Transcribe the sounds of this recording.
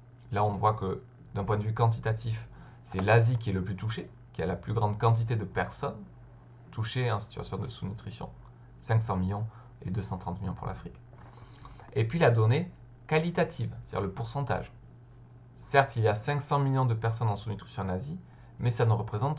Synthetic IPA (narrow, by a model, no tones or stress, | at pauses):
laɔ̃vwakə | d̪̥ɛ̃pwɛ̃nd̪əvykɑ̃t̪̬it̪at̪if | sɛlazikʲiɛləplyt̪uʃe | kʲia̰laplyɡʁɑ̃d̪kɑ̃t̪̬it̪ed̪əpɛʁsɔn | t̪uʃeɑ̃si̥t̪ɥa̰sjɔ̃d̪əsunyt̪χisjɔ̰̃ | sɛ̃ŋksɑ̃miljɔ̃ | ed̪øsɑ̃t̪χɑ̃t̪miljɔ̃pṵʁla̰fχik | epɥilad̪ɔne | kalit̪at̪ʰivst̪ad̪ḭʁləpuʁsɑ̃t̪a̰ʒ | sɛʁt̪iljasɛ̃ksɑ̃miljɔ̃d̪əpɛʁsɔnɑ̃sunyt̪χisjɔ̃nazi | mɛsanuʁəpχezɑ̃t̪